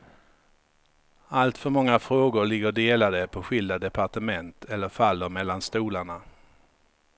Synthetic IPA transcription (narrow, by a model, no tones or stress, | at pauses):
alt̪fœɾmɔŋːafɾoːɡʊɾɭɪɡːəɾɖeːlad̪əpʰɔɧɪld̪ad̪ɛpʰaʈəmɛnt̪ʰɛlːəɾfalːəɾmɛlːanst̪uːlaɳa